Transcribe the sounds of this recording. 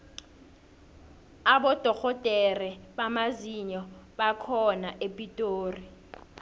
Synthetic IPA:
aɓɔd̥ʱɔkʰɔd̥ʱʼɛrɛɓamaziɲɔɓakʰɔnaʔepʼitʼoːri

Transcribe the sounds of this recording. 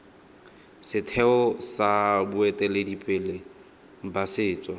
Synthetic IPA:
sɪtʰɛɔsabʊɛtʼɛledipʼɪːle | m̩basɪːt͡sʼɔ

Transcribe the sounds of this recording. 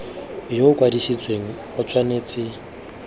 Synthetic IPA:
joʊkʼwadisit͡sʼweŋ̩ | ɔt͡sʰʼwaneːt͡sʼɪ

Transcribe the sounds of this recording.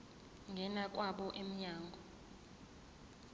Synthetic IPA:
ŋɡʱɛnak̬ʼwaɓɔʔem̩ɲaːŋɡʱɔ

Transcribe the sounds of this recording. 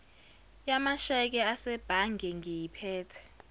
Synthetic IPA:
jamaʃɛk̬ɛasɛb̥ʱaŋɡʱɛŋʱejipʰɛːtʰɛ̥

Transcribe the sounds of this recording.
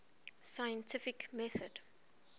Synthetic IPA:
sajə̃ntʰɪfɪkmɛθəd̥

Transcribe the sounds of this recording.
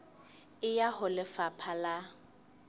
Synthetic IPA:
ɪjahʊlɪfapʰala

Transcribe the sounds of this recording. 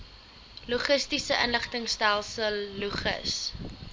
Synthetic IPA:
luχəstisəʔənləχtəŋstælˠsəlːuχə̰s

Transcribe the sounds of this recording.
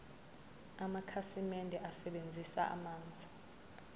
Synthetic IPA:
amakʰasimɛndʱɛʔasɛɓend͡zʱisa̰ʔa̰maːnd͡zʱi

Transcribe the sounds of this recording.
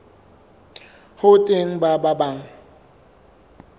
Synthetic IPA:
hʊtʼeŋ̩bababaŋ̩

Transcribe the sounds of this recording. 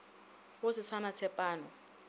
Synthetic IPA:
χʊsɪsanat͡sʰɛpʼaːnɔ

